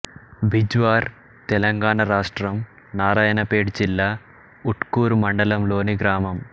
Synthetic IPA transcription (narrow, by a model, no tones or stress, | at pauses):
bʱid͡ʒʋaːɾ | t̪ɛlɐŋɡaːɳɐɾaːʂʈɾɐm | naːɾaːjɐnɐpeːɽd͡ʒilːaː | uʈkuːɾumɐɳɖɐlɐmlo̞ːniɡɾaːmɐm